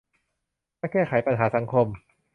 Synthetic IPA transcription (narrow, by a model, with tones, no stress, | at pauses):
aː˥˩jkɛː˥˩kʰa˩˦jpa˧nɦaː˩˦sa˩˦ŋkʰo˧m